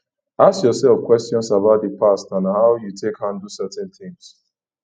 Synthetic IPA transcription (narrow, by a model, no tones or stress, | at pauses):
askjɔsɛlfkwɛstjɔ̃nsabaʊt̚dəpastãnhaʊjutʰekhãndusɛtɛ̃nθɪ̃ŋs